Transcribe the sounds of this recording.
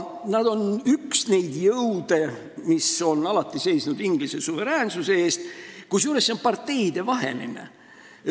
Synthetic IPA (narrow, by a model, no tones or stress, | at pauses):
nɑd̪̥o̞nyksne̞jd̪jɤwd̪e̞ | miso̞nɑlɑt̪ːˑise̞jsnud̪̥iŋɡlisesuve̞ɾæːnsuseeːst̪kujsjuːɾesːompɑrt̪ːe̞jd̪̥e̞vɑɦenḭnḛ